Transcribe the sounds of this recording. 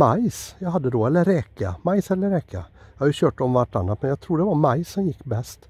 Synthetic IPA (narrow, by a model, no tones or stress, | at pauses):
maɪsjaɪɦɑd̪ːəd̪oːɛlːəɾɛka̰maɪsɛlːəɾɛkʰːa̰jahajʊɕøːʈɔmvæʈːɑ̰nːat̪mɛnjaɡt̪ʰɾuːɖɛvɑɾmaɪsːɔmjɪkːbɛst̪